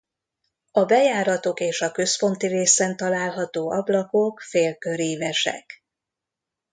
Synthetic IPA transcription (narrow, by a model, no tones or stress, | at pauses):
ɒbɛjaːɾɒt̪o̞keːʃɒkø̞spo̞nt̪ireːsɛnt̪ɒlaːlɦɒt̪oːɒblɒko̞kfeːlkø̞ɾiːvɛʃɛ̰k